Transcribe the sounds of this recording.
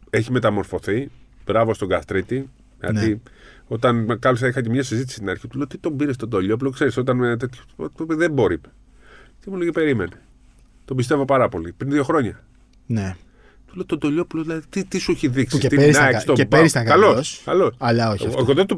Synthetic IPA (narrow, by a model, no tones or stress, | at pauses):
e̞çime̞t̪ɐmo̞ɾfo̞θibɾɐvo̞st̪o̞ɡɐst̪ɾit̪i | ʝɐ̰nio̞t̪ɐnkɐlos̬ɐixɐcemɲɐsizit̪i̥si̥st̪inɐɾçit̪uleot̪it̪o̞mbiɾest̪od̪oʎo̞p̬lokse̞ɾiso̞t̪ɐnmenet̪et̪çotðebo̞ɾipe̥ | t̪imuleɣipe̞ɾime̞ne | t̪o̞bist̪e̞vo̞pɐɾɐpo̞lipɾinðio̞xɾo̞ɲɐ | ne | t̪ulet̪od̪o̞ʎo̞puloðilɐðit̪it̪isueçiðiksiet̪ieɾinɐeksst̪oebɾiskkɐlosskɐlosɐlɐoeɣoðet̪u